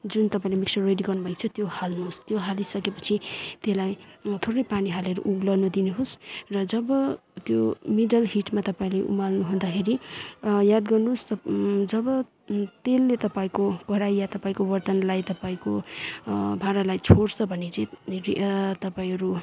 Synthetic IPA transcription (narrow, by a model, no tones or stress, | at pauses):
d͡zunt̪ʌpaĩlemiksʰʌreɖiɡʌrnubʱʌikt͡sʰʌt̪johalnuɦost̪joɦalisʌkepʌ̥t͡sʰit̪elajt̪ʰoɾʌjpaniɦalʌɾṵʔuɡlʌnud̪inuɦosrʌd͡zʌbʌt̪jomiɖʌlɦiʈmat̪ʌpaĩleʔṵmalnuɦũnd̪akʰeɾijad̪ɡʌrnuɦost̪ʌd͡zʌbʌ | t̪elːet̪ʌpaĩkokʌɾajːat̪ʌpaĩkowʌrt̪ʌnlajt̪ʌpaĩko | bʱãɾalajt͡sʰoɽsʰʌbʱʌnet͡sʌĩrit̪ʌpaĩɦʌɾu